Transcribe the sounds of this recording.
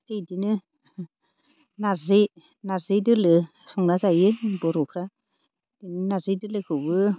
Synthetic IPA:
ejdinɯ | naze | nazedɯlɯ | sɔŋɾazajɯbɔɾɔkʰɾa | d̥inɯnazɯdɯlɯkʰɯbɯ

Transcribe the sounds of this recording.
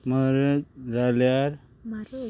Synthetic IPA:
məɾəd͡zaljaɾ

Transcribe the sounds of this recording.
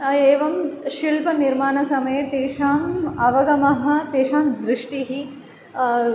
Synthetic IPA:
eːʋɐmʃilpɐniɾmaːnɐsɐmɐjet̪eːʂaːmɐʋɐɡɐmɐɦɐ̆t̪eːʂaːmd̪ɾɪʂʈiɦi

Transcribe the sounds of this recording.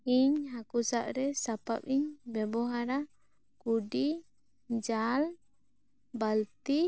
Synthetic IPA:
iɲɦakusaʔɾɛsapap̚iɲbɛbɔɦaɾa | kuɖi | d͡ʒal | balt̪i

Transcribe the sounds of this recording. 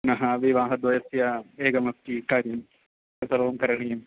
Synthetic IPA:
nɐɦɐʋiʋaːɦɐd̪ʋɐjɐsjɐeːɡɐmɐk̚t̪ikaːɾjɐm | ɐsɐlɐʋɐmkɐɾɐɳejɐm

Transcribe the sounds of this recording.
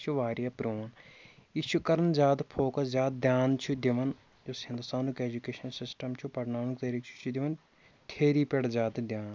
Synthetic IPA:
t͡ʃʰuʋaːɾijapɾoːnit͡ʃʰukɐɾənzaːd̪pʰoːkəszaːd̪̚d̪ʲjaːnt͡ʃʰud̪ɪʋɐn | d͡ʒoshɪ̃nd̪ust̪aːnukeːd͡ʒukeːʃɐnsɪsʈəmt͡ʃʰupɐɾnaːnukt̪eːɾikt͡ʃʰu̥t͡ʃʰud̪ɪʋɐn | t̪ʰeːɾiːpeɽzaːd̪d̪ʲjaːn

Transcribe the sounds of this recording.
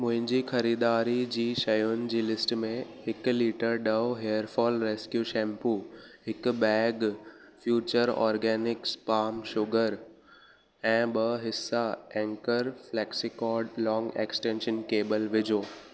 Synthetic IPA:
mʊ̃ɦɪ̃ɲd͡ʑiːxɐɾiːd̪aːɾid͡ʑiːʃɐjʊnɪ̆d͡ʑiːlɪsʈmẽhɪkliːʈəɾɖɐoɦeːəɾfɔːlɾeːskjuʃɛ̃ːmpuɦɪk̆bɛːɡfjuːt͡ɕəɾɔ̰ːɾɡɛːnɪkspaːmʃʊɡəɾ | ɛ̃ːɓɐɦɪsːaɛ̃ːŋkəɾflɛːksikɔːɾɖlɔ̃ːŋɡḛːksʈẽːnʃənkeːbəlʋɪd͡ʑʱoː

